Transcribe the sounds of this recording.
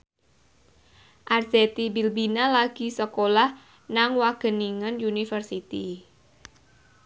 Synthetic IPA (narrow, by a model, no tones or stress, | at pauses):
ʔarset̪ibilbinalaɡ̥i̤səkolah | naŋwaɡ̥ə̤niŋənjunifərsit̪i